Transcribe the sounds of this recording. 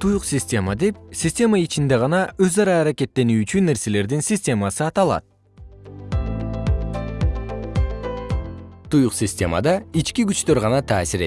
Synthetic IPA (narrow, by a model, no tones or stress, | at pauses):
t̪ʰujuqsʲɪsʲtʲe̞mad̪e̞psʲɪsʲtʲe̞mait͡ʃind̪e̞ʁɑnɑøzɑɾɑːɾake̞t̪ːe̞nyːt͡ʃynːe̞ɾse̞le̞ɾd̪insʲɪsʲtʲe̞masɯɑt̪ɑlˠɑ̰t̪̚ | t̪ʰujuqsʲɪsʲtʲe̞̰ma̰d̪ɑit͡ʃkiɡyt͡ʃt̪øɾʁɑnɑt̪ʰaːsiɾe